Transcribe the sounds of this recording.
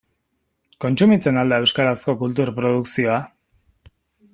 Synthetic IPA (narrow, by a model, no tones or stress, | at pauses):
ko̞nt͡ʃumit͡senald̪aewskaɾasko̞kult̪uɾpɾoðuksio̞a